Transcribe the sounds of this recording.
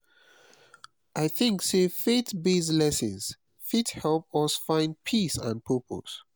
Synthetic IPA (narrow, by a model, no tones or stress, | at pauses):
ʔaɪθɪ̃ŋksefetbeslɛsə̃ns | fithɛlp̚ɔsfãɪ̃nd̚pʰisə̰̃n̚pʰɜpʰo̰s